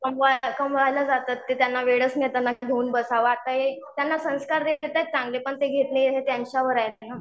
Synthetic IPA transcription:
kəmʋakəmʋajlad͡zat̪at̪ːet̪janːaʋeɽəsnjet̪anːaɡʱeuːnbəsaʋat̪aɦet̪janːasə̃ñskaɾd̪eet̪at͡sãŋɡlepəɳt̪eɡʱet̪nejɦet̪jaɲt͡ɕjaʋəɾajt̪ena

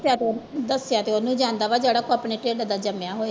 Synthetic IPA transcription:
tjaːt̪ed̪əsjaːt̪eːonũːd͡ʒãːnd̪aːʋaːd͡ʒeːɽaːkoaːpɳeːʈɾeːɖd̪aːd͡ʒəmjaːɦoːe

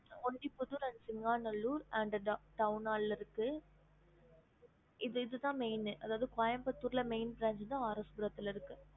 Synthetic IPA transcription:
ɔɳɖipʊðuɾɐnɖsɪŋɡaːnɐlːuːɾɐɳɖɐʈɐʊnaːllɪɾɯkːɯ | ɪðɯɪðɯt̪ãːmeɪnɯʔɐðaːʋɐðɯkaːjɐmpɐt̪ːuːɾɪlɐmeɪnbɾaːɲd͡ʒɯnd̪ãːaːɾɐsbʊɾɐt̪ːɪlɪɾɯkːɯ

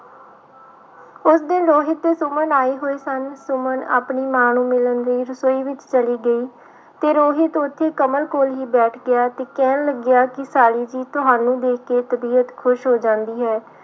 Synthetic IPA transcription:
ʊsd̪ɪnɾoːɦɪt̪ːeːsʊmənaːiːɦoːeːsənsʊməna̰ːpɳiːmaːñũːmɪlənɾiːɾəsoːiːʋɪt͡ʃt͡ʃəliːɡəiː | t̪eːɾoːɦɪt̪ʊt̪ʰːeːkəməlkoːlɦiːbɛːʈʰɡɪjaːt̪eːkɛːnləɡɪjaːkɪsaːɽiːd͡ʒiːt̪ʊɦaːnũːd̪eːkʰkeːt̪əbiːət̪kʰʊʃɦoːd͡ʒãːnd̪iːɦɛː

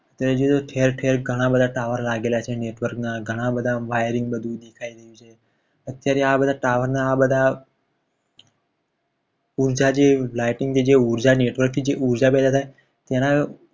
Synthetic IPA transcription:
ət̪jaɾed͡ʒoet̪oʈʰeɾʈʰeɾɡʱəɽ̃ãbəd̪ʱaʈaʋəɾlaɡelat͡ʃʰeneʈʋəɾknaɡʱəɽ̃ãbəd̪ʱaʋajəɾɪŋɡbəd̪ʱũd̪ekʰaiɾəjũt͡ʃʰe | ət̪jaɾeabəd̪ʱaʈaʋəɾnaːbəd̪ʱa | uɾd͡ʒad͡ʒelajʈɪŋɡt̪ʰid͡ʒeuɾd͡ʒaneʈʋəɾk̚t̪ʰid͡ʒeʔuɾd͡ʒapɛd̪at̪ʰaj | t̪ena

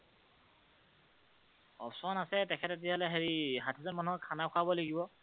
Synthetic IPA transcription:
ɔ̰psɔɔnasɛtɛkʰɛtet̬ijalɛɦeɹiɦatʰizɔnmanuɔkʰanakʰabɔleɡibɔ

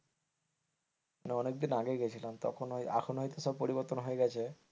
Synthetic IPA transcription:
aneɔnek̚d̪inaɡeɡet͡ɕʰilent̪ɔ̰kʰona̰kʰonɦojt̪osʃɔb̚poɾiboɾt̪onɦoeɡɛt͡ɕʰe

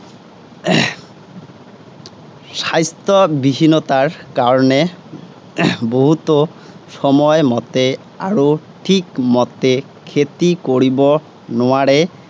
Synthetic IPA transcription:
sajstɔbibinɔtaɹkaɹɔnɛ | boɦut̪o | sɔmɔjmɔt̪ɛ | aɹoʈʰikmɔt̪ɛ | kʰet̪ikoɹibɔ | nʊaɹɛ

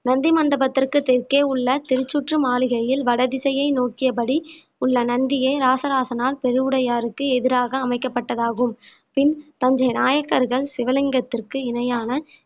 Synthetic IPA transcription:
nɐnd̪imɐɳɖɐbɐt̪ːɪrkɯt̪ɪrkeːʊɭːɐt̪ɪɾɯt͡ʃːʊʈrɯmaːlɪɣɐjɪlʋɐɽɐðɪsɐjɐɪnoːkɪjɐp̬ɐɽi | ʊɭːɐnɐnd̪ɪjeːɾaːsɐɾaːsɐnaːlpɛɾɯɯɽɐjaːɾɯkːɯɛðɪɾaːɣɐːmɐɪkːɐpːɐʈːɐðaːɣɯm | pɪnt̪ɐɲd͡ʒɐɪnaːjɐkːɐɾɣɐɭsɪʋɐlɪŋɡɐt̪ːɪrkɯɪnɐjaːnɐ

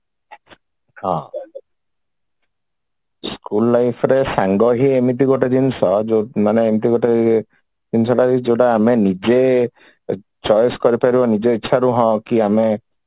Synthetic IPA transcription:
hɔ̰̃ | skulːajpʰɾesaŋɡɔɦiemiʈ̬iɡɔʈad͡ʒinsɔd͡ʒmaneemiʈiɡɔʈa | d͡ʒinsɔdaid͡ʒoɖaːmenid͡ʒe | t͡ʃɔjskɔɾipaɾibɔnid͡ʒeitːʃʰaɾuɦɔ̃kiame

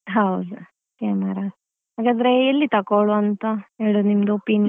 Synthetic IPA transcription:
ɦɐwd̪u | kaːmɐɾa | ɦaːɡaːd̪ɐɾeːlːit̪ɐkoɭuɐnt̪ɐeːɭunimd̪opin

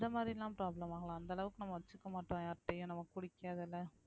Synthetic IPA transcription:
d̪ɐmaːd̪ɾilãːpɪɾaːblɐmaːɡɐɭãːɐnd̪ɐɭɐʋɯkːɯnɐmːɐʋɐt͡ʃːɯkːɐmaːʈːõaːʈːɐjʊ̃nɐmːɐkʊɽɪkːaːðɪlːɐ

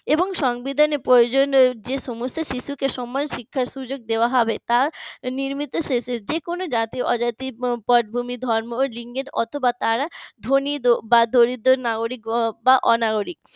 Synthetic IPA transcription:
eboŋʃɔŋbid̪ʱanepɾojod͡ʑond͡ʑeʃɔmost̪ʰoʃiʃukeʃɔmːanʃikʰːaɾʃud͡ʑoɡ̚d̪eoaɦɔbet̪aniɾmit̪oʃeʃed͡ʑekonod͡ʑat̪iʔɔd͡ʑat̪ipɔʈ̚bʱumid̪ʱɔɾmoliŋɡeʈɔ̰t̪ʰobat̪aɾad̪ʱonid̪obad̪ʱoɾid̪ːoɾnaɡoɾik̚baʔɔnaɡoɾik̚

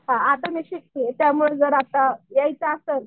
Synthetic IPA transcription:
ɦãat̪ameɕikːit̪jamuɭed͡zəɾat̪ajajt͡saːsən

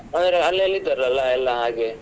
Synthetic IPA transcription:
ɐnd̪ɐɾeɐlːeɐlːid̪ɐɾɐlːɐɛlːɐɦaːɡe

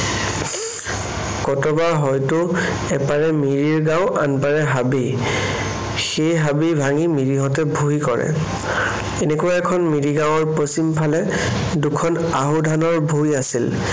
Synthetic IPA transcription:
kɔtɔbaɦɔjtʊ | ɛpaɹɛmiɹiɹɡawʔa̰npaɹɛɦabij | xejɦabibʱaŋimiɹiɦɔtɛbʱujkɔɹɛ̰ | enekuaɛkʰɔnmiɹiɡawɔɹpɔsimpʰalɛ | dukʰɔn | aɦudʱanɔɹbʱujasil

